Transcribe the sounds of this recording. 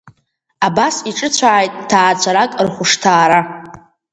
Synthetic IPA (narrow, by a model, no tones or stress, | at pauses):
abasiʈ͡ʂʼɨt͡ɕʷʰaːjtʼtʰaːt͡ɕʷʰaɾakʼrχʷʊʂtʰaːɾa